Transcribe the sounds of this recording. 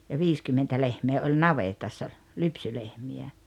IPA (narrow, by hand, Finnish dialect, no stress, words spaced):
jɑ ʋiːskymːentæ lehmeː olʲ nɑʋetɑsːɑ lypsylehmiæ